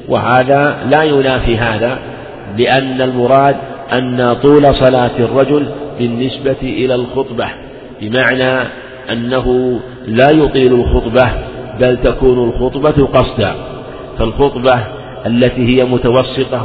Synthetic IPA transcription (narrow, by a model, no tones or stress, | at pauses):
wɪ̰haːðaːlaːjʊnaːfiɦaːða | lɪʔanːalmʊɾˤɑːd̪ʔanːat̪ˤuːlɑsˤɑlaːt̪ɪrˤːɑd͡ʒʊlbɪnːɪsbat̪ʔɪlalxʊt̪ˤbɑ | bɪmaʕnaː | ʔanːaɦʊ | laːjʊt̪ˤiːlalxʊt̪ˤbabalt̪akuːnʊlxʊt̪ˤbɑqɑsˤd̪a̰ː | falxʊt̪ˤbɑ | ʔalːat̪iːhɪjamʊt̪awɑsːɨt̪ˤɑ